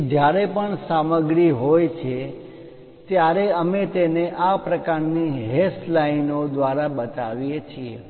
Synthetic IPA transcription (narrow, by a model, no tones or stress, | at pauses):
d͡ʒjaɾepəɳsaməɡɾiɦojt͡ʃʰe | t̪jaɾeəmet̪eneʔapɾəkaɾniɦeslainod̪ʋaɾabət̪aʋijet͡ʃʰie